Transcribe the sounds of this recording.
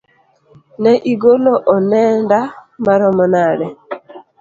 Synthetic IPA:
nɛʔiɡoloʔɔnɛndamaɾɔmɔnaɾɛ

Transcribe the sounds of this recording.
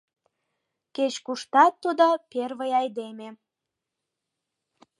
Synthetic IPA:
ket͡ɕkuʃt̪ɑt̪ːud̪operβəjɑjd̪eme

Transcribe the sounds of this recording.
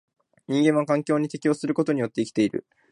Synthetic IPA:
ɲ̟ĩŋɡẽ̞ɰ̃akãŋkʲo̞ːɲ̟it̪e̞kʲio̞ːsɨɾɯ̟ko̞t̪o̞ɲ̟ijo̞t̪ːeikʲt̪e̞iɾɯ̟̰

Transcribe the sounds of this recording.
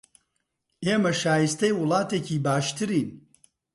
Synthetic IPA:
eːmɐʃaːjist̪ɐjwʊlˠɑːt̪eːciːbaːʃt̪ɨɾiːn

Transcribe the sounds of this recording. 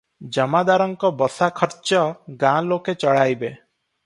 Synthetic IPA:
d͡ʒɔmad̪aɾɔŋkɔbɔsakʰɔɾt͡ʃɔɡãloket͡ʃɔɭajbe

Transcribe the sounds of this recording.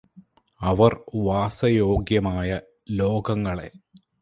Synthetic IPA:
ɐʋɐrʋaːsɐjo̞ːɡjɐmaːjɐ | lo̞ːɡɐŋːɐɭe̞

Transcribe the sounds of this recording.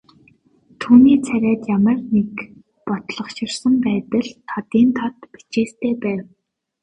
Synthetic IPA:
t̪ʰuːniːt͡sʰæɾʲæːt̪jamə̆rnek | pɔt̪ɮɞ̆χʃɪ̆rsə̆mpæːt̪ə̆ɮt̪ʰɔt̪iːnt̪ʰɔt̪pi̥t͡ɕeːst̪ʰeːpæːw

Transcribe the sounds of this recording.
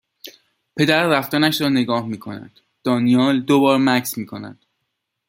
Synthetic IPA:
pʰe̞d̪æɾːæft̪ɒnæʃɾɒːne̞ɡɒːhmiːkʰo̞næ̰d̪̥ | d̪̥ɒːnijɒːld̪obɒːɾmæksmiːkʰo̞næ̰d̪̥

